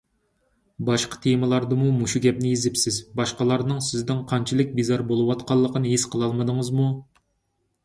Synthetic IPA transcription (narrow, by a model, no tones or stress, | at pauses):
bɑʃqɑ̥t̪ʰeməlˠɑɾd̪ɨmumuʃuɡʲɛp̚nɪjezɪpsɪzbɑʃqɑlˠɑɾnɨŋsɪzd̪ɪŋqʰɑnt͡ʃʰɪlˠɪk̚ʲbizɑɾbolˠɨwɑt̪qʰɑlˠːəqənɨɦisqʰəlˠɑlˠməd̪ɨŋəzmu